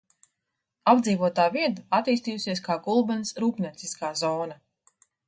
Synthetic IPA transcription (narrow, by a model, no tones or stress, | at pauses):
abd̪ziːvuɔt̪aːviɛd̪aat̪ːiːst̪iːjusiɛskaːɡulˠbɛnsɾuːpnʲiɛt̪siskaːzɔːna